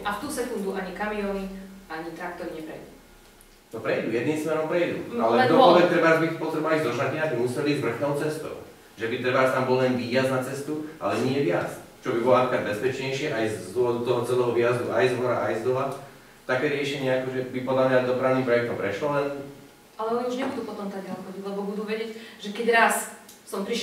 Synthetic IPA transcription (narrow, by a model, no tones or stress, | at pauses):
aft̪uːsɛkund̪uʔaɲikamiɔːniaɲit̪ɾak̚t̪ɔɾiɲɛpɾɛjd̪u | nɔpɾɛjd̪ujɛd̪niːmsmɛɾɔmpɾɛjd̪ṵalɛd̪ɔɔʋɛt̪ɾɛbazbit̪pɔt̪ɾɛbɔalizɔʒnakiɛabimusɛliːzvr̩xnɔʊt͡sɛst̪ɔ̰ʊ | ʒɛbit̪ɾɛbaʃt̪ambɔllɛnʋiːjaznat͡sɛst̪uʔa̰lɛɲɪɛʋɪat͡s | t͡ʃɔbibɔlɔatkɾaɟbɛspɛt͡ʃɲɛjʃɪɛʔajzd̪wɔʋɔd̪ut̪ɔɦɔt͡sɛlɛːɦɔʋijazd̪uʔajzɦɔɾa̰ʔajzd̪ɔɦa | t̪akɛːɾɪɛʃɛɲɪɛakɔʒɛbipɔd̪lamɲad̪ɔpɾaʊnimpɾɛjɛk̚t̪ɔmpɾɛʃlɔlɛn | alɛɔniuʒɲɛbud̪uːpɔt̪ɔmt̪aɡalxɔdilɛbɔbud̪uʋɛɟɪɛcʒɛkɛɟɾas | sɔmpɾiʃ